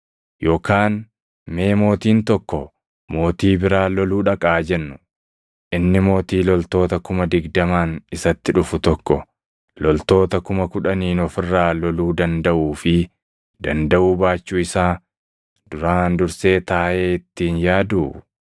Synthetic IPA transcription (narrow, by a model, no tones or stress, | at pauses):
jo̞ːkaːn | me̞ːmo̞ːt̪iːnt̪ɔkːɔ | mo̞ːt̪iːbɪɾaːlɔluːᶑɐkʼaːd͡ʒɛnːʊ | ʔɪnːɪmo̞ːt̪iːlɔlt̪o̞ːt̪ɐkʊmɐd̪ɪɡd̪ɐmaːnɪsɐt̪ːɪᶑʊfʊt̪ɔkːɔ | lɔlt̪o̞ːt̪ɐkʊmɐkʊᶑɐniːnɔfɪrːaːlɔluːd̪ɐnd̪ɐʔuːfɪ | d̪ɐnd̪ɐʔuːbaːt͡ʃːuːɪsaː | d̪̥ʊɾaːnd̪ʊɾse̞ːt̪aːʔe̞ːɪt̪ːiːnjaːd̪uː